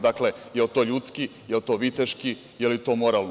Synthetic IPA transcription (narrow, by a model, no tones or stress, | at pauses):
d̪aklejelt̪o̞ːʎuːt̪skijelt̪o̞ːʋit̪eʃki | jelit̪o̞ːmoɾaln